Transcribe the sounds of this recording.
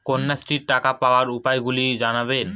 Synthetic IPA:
konːasʈɾiɾʈakapaoaɾupaeɡulid͡ʑanaben

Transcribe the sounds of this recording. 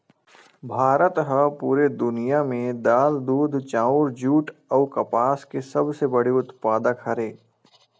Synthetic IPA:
bʱaːɾət̪ɦəpuːɾed̪ʊnijamẽd̪aːld̪uːd̪ʱt͡ʃãːʊɾd͡ʒuːʈəːkɐpaːskesɐbsebɐɽiʊt̪paːd̪əkɦɐɾeː

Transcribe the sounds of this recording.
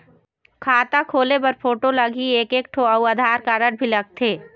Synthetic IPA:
kʰaːt̪akʰoːlepɐɾpʰoːʈolɐɡieːkeːk̚ʈʰoːauaːd̪ʱaːɾkaɾəʈ̚bʱilɐɡ̚t̪ʰeː

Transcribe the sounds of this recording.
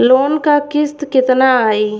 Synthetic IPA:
loːnkakɪst̪kɪt̪naaːiː

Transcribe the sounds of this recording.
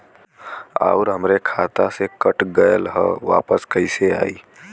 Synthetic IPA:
a̰ːʊɾɦəmɾekʰaːt̪asekəʈɡəjəlɦə̰ʋa̰ːpəskəɪsea̰ːiː

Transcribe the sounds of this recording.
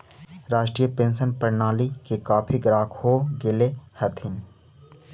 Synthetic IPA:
ɾaːd͡ʒʈɾiːjəpẽːnsənpəɾnaːlikekaːpʰiɡɾaːkʰhoɡɪlehət̪ʰɪn

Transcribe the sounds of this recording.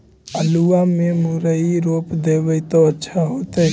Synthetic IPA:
əluamemuɾəiɾopd̪ebəjt̪ɔətːʃʰaɦot̪ə

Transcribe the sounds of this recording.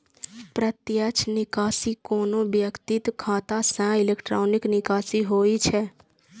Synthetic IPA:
pɾət̪jət͡ʃʰnɪkaːsikoːnobjəkt̪it̪kʰaːt̪asɛ̃ɪlekʈɾoːnɪknɪkaːsiɦoːit͡ʃʰɛ

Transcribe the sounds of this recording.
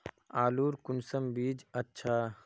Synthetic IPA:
aːluːɾkʊnsəmbiːd͡ʒɐtːʃʰaː

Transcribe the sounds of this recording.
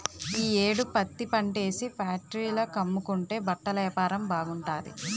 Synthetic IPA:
iːeːɽupɐt̪ːipɐɳʈe̞ːsipʰjaːk̚ʈɾiːloːkɐmːukuɳʈe̞ːbɐʈːɐlɐjɐpaːɾɐmbaːɡuɳʈaːd̪ḭ

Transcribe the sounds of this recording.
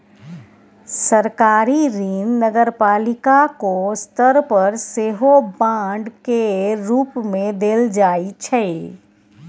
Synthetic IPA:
səɾkaːɾiɾinnəɡəɾpaːlɪkakost̪ʰəɾpəɾseɦobãːɖkeɾuːpmẽd̪eːld͡ʒaːit͡ʃʰɛ

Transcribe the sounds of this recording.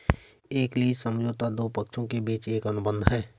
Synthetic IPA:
eːkliːd͡ʒsə̃md͡ʒoːt̪ad̪oːpəkʃʰõkebiːt͡ʃeːkɐnʊbə̃nd̪ʱɦɛː

